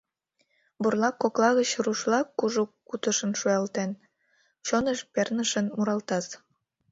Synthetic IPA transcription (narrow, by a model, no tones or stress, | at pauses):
burlˠɑkːoklˠɑɣət͡ɕruʃlˠɑkːuʒukut̪ə̆ʃə̆nʃujɑlt̪en | t͡ɕonəʃpernəʃə̆nmuɾɑlt̪ɑs